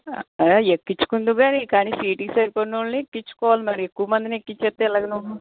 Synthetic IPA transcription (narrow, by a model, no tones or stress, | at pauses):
ɐjaːekːit͡ʃːu̥kund̪uɡaːnikaːniːsiːʈiːsɐɾkonnuɭniekːit͡ʃːu̥kɔːʋaːlimɐɾiekːuʋɐmɐnd̪inekːit͡ʃːet̪ːeːɛlaːɡɐnuʋu